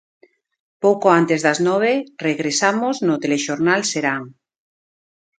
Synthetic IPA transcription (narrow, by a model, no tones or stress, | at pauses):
powkoant̪ezðaznɔβ̞ereɣɾesamoznot̪eleʃoɾnalseɾaŋ